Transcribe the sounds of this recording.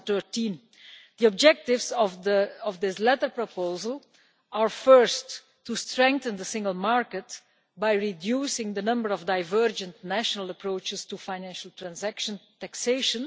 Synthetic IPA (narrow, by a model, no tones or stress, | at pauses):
t̪ɜɹtĩn | d̪iɔb̚d͡ʒɛk̚tɪvzɔvəɔvd̪ɪslɛtəɹpɹɔpoʊzəlˠ | aɹfɜ˞stː | ustɹɛ̃ŋk̚θə̃nd̪əsɪ̃ŋɡəlˠmaɹkət | bajɹidjuːsɪ̃ŋd̪ənʌ̃mbəɹɔvdaɪvɜɹd͡ʒə̃ntnæʃənəlˠəpɹoʊt͡ʃɪstufãɪnæ̃nʃəl̩ˠtɹæ̃nzækʃə̃ntækseɪʃə̃n